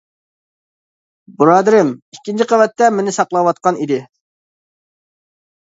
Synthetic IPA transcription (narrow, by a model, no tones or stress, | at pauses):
buɾɑːd̪ɨɾɪmikʲːint͡ʃʰiqʰəvɛt̪ːɛmɪnɪsɑqlˠɑwɑt̪̚qɑnid̪ɪ